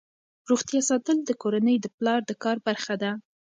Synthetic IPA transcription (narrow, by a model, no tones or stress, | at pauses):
ɾuɣt̪ijɑsɑt̪əld̪əkoɾanəjd̪əplɑɾd̪əkɑɾbaɾxad̪a